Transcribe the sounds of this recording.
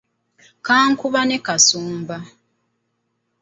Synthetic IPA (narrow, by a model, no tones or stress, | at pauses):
kaːŋkuβane̞kasuːmba